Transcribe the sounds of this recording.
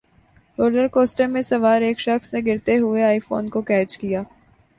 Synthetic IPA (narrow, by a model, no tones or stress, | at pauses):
ɾoːləɾkoːsʈəɾmẽsɐʋaːɾeːkʃɐxsneɡɪɾt̪eɦʊeaːifo̰ːnkokɛːt͡ʃkijaː